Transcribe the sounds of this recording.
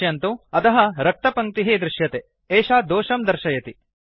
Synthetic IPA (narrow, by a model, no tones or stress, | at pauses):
jɐnt̪uɐt̪ɐɦɐɾɐk̚t̪ɐpɐŋ̚t̪iɦeːd̪ɾuʃjɐt̪e | eːʃaːd̪oːʃɐmd̪ɐɾʃɐjɐt̪i